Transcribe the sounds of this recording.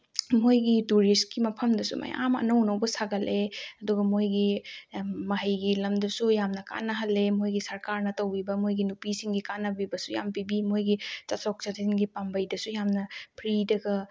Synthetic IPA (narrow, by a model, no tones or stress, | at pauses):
mojɡituɾiskimɐpʰɐmdɐsṵma̰ja̰mɐ̰nɐwnɐwbɐsaɡɐlʔeɐduɡɐmojɡi | mɐɦɐjɡilɐmdɐsujamnɐka̰nɐɦɐlːemojɡisɐɾkaɾnɐtɐwbibɐmojɡinupisiŋɡikanɐbibɐsuja̰mpibimojɡit͡ʃɐsɔk̚t͡ʃɐzinɡipambɐjdɐsujamnɐpʰɾidɐɡɐ